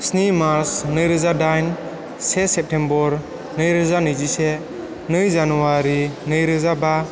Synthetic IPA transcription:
snimaɾsnɯjɾɯzadajn | sesep̚tʰembɔɾ | nɯjɾɯzanɯjzise | nɯjzanuwaɾinɯjɾɯzaba

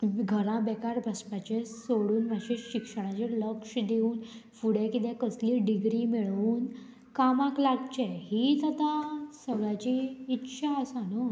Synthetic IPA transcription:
ɡʱəɾãbɛkaɾbʱəspat͡ɕesoɽuːnməɕẽɕikʂəɽ̃at͡ɕeləkʂd̪euːnfuɽẽkit̪ɛ̃kəsliːɖiɡɾimiɭuːn | kamãklaɡt͡ɕeɦit̪at̪ãsəɡɭat͡ɕiːtːɕʰaəsano

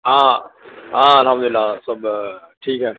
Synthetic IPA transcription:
aː | aːɐlɦɐmd̪ʊlɪlːaːsɐb | ʈʰiːkɦɛː

